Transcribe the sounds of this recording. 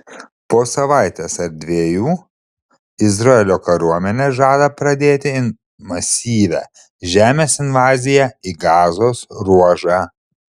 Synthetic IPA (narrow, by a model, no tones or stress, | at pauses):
poːsɐʋɑˑɪt̪ʲeːsɐɾd̪ʲʋʲeːjuː | ɪzɾɐɛlʲoːkɐɾuɔmʲɛnʲeːʒɑːd̪ɐpɾɐd̪ʲeːt̪ʲɪɪn | mɐsʲiːʋʲæ̰ | ʒʲæːmʲeːsɪnʋɑːzʲɪjæiɡɑːzoːsɾuɔʒɑː